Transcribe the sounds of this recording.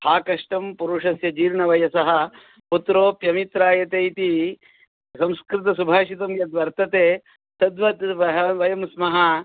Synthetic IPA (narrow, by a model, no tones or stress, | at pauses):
haːkɐʂʈɐmpuɾuʂɐsjɐd͡ʒiːɾɳɐʋɐjɐsɐɦɐ̆ | put̪ɾoːpjɐmit̪ɾaːjɐt̪ejt̪i | sɐmskɾɪt̪ɐsubʱaːʃit̪ɐmjɐd̪ʋɐɾt̪ɐt̪eː | t̪ɐd̪ʋɐt̪ʋɐɦɐʋɐjɐmsmɐɦɐ